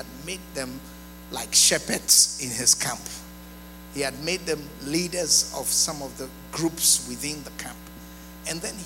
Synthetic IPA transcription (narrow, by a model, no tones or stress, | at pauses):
d̚med̪̚ðɛ̃m | laɪkʃɛpədsɪ̃nɪz̥kʰæ̃mp | hiɨd̚med̪̚ðɨ̃m | lidə˞zʌv̥sʌ̃mɔvðə | ɡɹupswɪθɪ̃nðəkʰæ̃mp | ɨ̃nðɨ̃n